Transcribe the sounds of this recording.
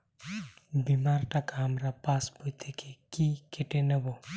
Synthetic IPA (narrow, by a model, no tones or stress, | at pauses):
bimaɾʈakaɦɐmɾapaspujt̪ʰekekikeʈenebo